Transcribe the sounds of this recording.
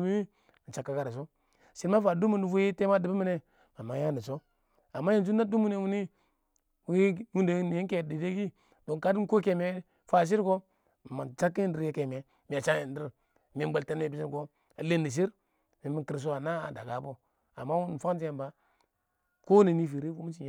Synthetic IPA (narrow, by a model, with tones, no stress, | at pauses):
mi˦wi˦˨ | t͡ʃa˨kːa˦ka˨ɾa˨s̬o˦ | si˦ɾma˦fa˨du˦mu˦n˨vu˦i˦te˦ma˦di˨bi˦mi˦ne˦ | ma˨ma˨ja˦nə˨so˦ | a˨mːa˦ji˨n˨u˦nːa˦du˦mu˦ne˨˦wu˦ni˦ | wwu˦nde˨˦n˨ji˦ŋke˨di˨de˦ɡi˦ | do˨ŋ˨ka˦di˦ko˦ke˨me˦ | fa˨s̬i˦ɾko˦˨ | ma˨t͡ʃa˦kːi˦ji˦ndi˨ɾje˦ke˨me˨ | mi˨a˨t͡ʃa˦ji˨n˦di˦ɾ | mi˨˦ba˨lte˦n˦e˨bi˦si˦nko˦ | a˨le˦ni˨ʃ̬i˦ɾ | mi˨mi˨ki˨ɾs̬o˦a˨na˦a̰˨da̰˨ɡa˨˦bo˦ | a˨mːa˦wu˦n˨fa˦kt̬i˦je˦mba˦ | ko˦ne˨ni˦fi˨ɾi˦vu˦mi˦t͡ʃi˨˦